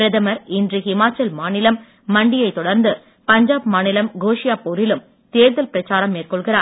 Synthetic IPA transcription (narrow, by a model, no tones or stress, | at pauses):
pɾɐðɐmɐɾɪndrihɪmaːt͡ʃːɐlmaːnɪlɐmː | ɐɳɖɪjɐɪt̪ːɔɽɐɾnd̪ɯ | pɐɲd͡ʒaːbmaːnɪlɐmɡoːʂɪjaːpɔɾɪlɯm | t̪eːɾðɐlpɪɾɐt͡ʃːaːɾɐmːeːrkɔɭɣɪɾaːɾ